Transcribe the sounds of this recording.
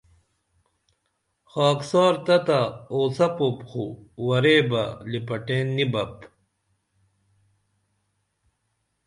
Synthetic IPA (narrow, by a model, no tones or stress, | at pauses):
xaːksɑːɾt̪ɐt̪aoːsɐpopxuwɐɾeːbɐ̰lipɐʈeːnːibɐp